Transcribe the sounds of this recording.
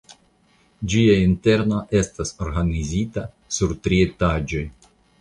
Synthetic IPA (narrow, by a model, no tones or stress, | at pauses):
d͡ʒiainte̞ɾno̞ʔe̞staso̞ɾɡanizita | suɾtɾietad͡ʒo̞j